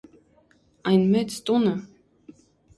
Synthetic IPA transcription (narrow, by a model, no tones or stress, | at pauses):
ɑjnmɛt͡sʰt̪ʼunə